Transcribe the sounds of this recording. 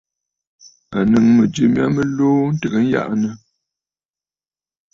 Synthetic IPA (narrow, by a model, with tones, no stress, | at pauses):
a˨nɨ˨ŋmə˨d͡ʒə˨mja̰˦mə˦loː˦n̩˦tə˨ɣə˨˦n̩˦ja̰˦ʔnə˨